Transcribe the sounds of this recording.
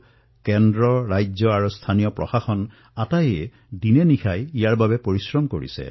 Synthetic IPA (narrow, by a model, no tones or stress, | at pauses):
kɛndɹɔɹajd͡ʒjɔaɹustʰanijɔpɹɔ̰xaxɔn | ataje | dinenixʰajijaɹbabɛpoɹisɹɔmkoɹḭsɛ̰